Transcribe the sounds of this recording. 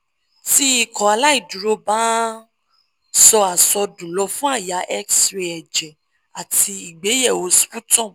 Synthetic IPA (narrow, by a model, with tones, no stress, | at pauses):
ti˦i˦kɔ˨a˧la˦i˦˨du˨ɾo˧˦bãː˦ | sɔ˧a˨sɔ˧dũ˨lɔ˧˦fũ˦a˦˨ja˨˧ʔɛ˦ksɾe˧˦ɛ˨d͡ʒɛ˨ | a˨ti˧i˨ɡ͡be˨˦jɛ˦˨o˨˦sfu˦tɔ̃˦˨